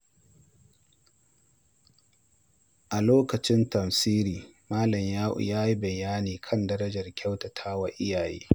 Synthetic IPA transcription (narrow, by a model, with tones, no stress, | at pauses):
ʔa˨loː˦kɐ˨t͡ʃɪ˦ntɐ˨msiː˦ɾiː˨maː˦lɐ˨mjaː˦ʔʊ̰˨jaː˦ji˦bɐ˨jaː˦niː˨kʰɐ˦ndɐ˦ɾɐ˦d͡ʒɐ˨rkʲɐ˦wtɐ˨tʰaː˦wa˦ʔɪ˦jaː˨jḛː˦